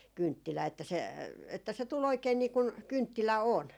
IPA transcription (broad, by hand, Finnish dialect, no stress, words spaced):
kyntːilæː etːæ se etːæ se tul oikein niː kuŋ kyntːilæ on